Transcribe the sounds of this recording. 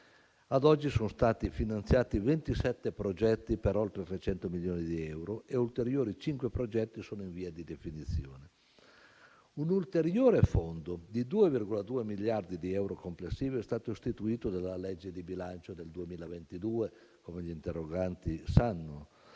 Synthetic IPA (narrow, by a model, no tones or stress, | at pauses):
ad̪ɔd͡ʒːisonst̪aːt̪ifinant̪sjaːt̪ivent̪isɛt̪ːepɾod͡ʒɛt̪ːipeɾolt̪ɾet̪ɾet͡ʃɛnt̪omiljoːnid̪iɛwɾoeult̪eɾjoːɾit͡ʃiŋkwepɾod͡ʒɛt̪ːisoːnoiɱviːad̪id̪efinit̪sːjoːne | unult̪eɾjoːɾefond̪od̪id̪uːevirɡolad̪uːemiljard̪id̪iɛwɾokomplesːiːvoɛst̪aːt̪oist̪it̪uiːt̪od̪alalɛd͡ʒːed̪ibilant͡ʃod̪eld̪uemiːlavent̪id̪uːe | komeʎiːnt̪erːoɡant̪isanːo